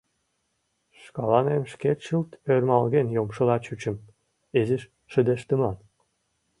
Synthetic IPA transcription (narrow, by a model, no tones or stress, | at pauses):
ʃkɑlɑnemʃkeʃəlt̪ørmɑlɣenjomʃɤ̆lɑt͡ɕyt͡ɕə̆m | eziʃ | ʃə̆d̪eʃt̪əmɑn